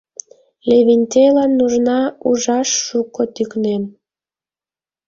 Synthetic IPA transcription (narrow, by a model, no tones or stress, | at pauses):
leβinʲt̪ʲelɑnːuʒnɑuʒɑʃːukot̪yknem